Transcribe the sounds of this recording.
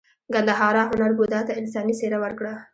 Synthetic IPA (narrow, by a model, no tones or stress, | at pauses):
ɡand̪aɦɑɾɑɦʊnaɾbud̪ɑt̪aɪnsɑniseɾawaɾkɽa